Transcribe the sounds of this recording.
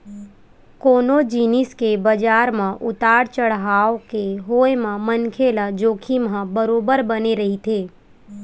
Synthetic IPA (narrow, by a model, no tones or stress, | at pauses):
koːnod͡ʒiːnɪskebəd͡ʒaːɾmãʔʊt̪aːɽt͡ʃəɽɦaːokeɦoːjemãmənkʰelad͡ʒoːkʰimãbəɾoːbəɾbəneɾɐɦit̪ʰeː